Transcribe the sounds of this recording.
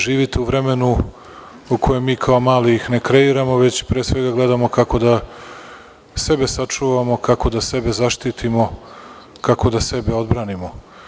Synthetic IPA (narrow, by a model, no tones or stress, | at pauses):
ʒiːʋit̪euʋɾe̞me̞nu | uko̞je̞mːiːkʰaomaːliixne̞kɾe̞iɾamo̞ʋe̞t͡ɕpɾeːsʋe̞ɡaɡle̞d̪amo̞kako̞d̪a | se̞besat͡ʂuːʋamo̞kako̞d̪ase̞be̞zaʃt̪it̪imo̞ | kako̞d̪ase̞beo̞d̪bɾaːnimo̞